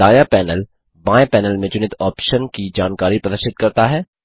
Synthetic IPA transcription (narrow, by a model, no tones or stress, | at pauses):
aːjapɛːnəl | bãːepɛːnəlmẽd͡ʒʊnɪt̪ʰɔːpʃənkid͡ʒaːnkaːɾipɾɐd̪əʃɪd̪̚kɐɾt̪aɦɛː